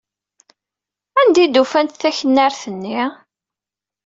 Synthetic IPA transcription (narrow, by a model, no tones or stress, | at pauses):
ænd̪id̪ufænt̪θæçənːaɾθənːi